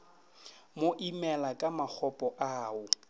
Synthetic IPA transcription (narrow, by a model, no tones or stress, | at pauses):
moʔimɛlakʼamak͡xʰɔpʼɔʔaːʊ